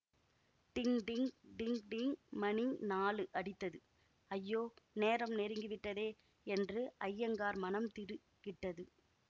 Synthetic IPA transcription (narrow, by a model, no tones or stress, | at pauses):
t̪ɪŋɖɪŋɖɪŋɖɪŋmɐninaːlɯʔɐɽɪt̪ːɐðɯ | ɐjːoːneːɾɐmnɛɾɯŋɡɯʋɪʈːɐðeː | ɛndrɯʔɐjːɐŋɡaːɾmɐnɐmt̪ɪɾɯ | kɪʈːɐðɯ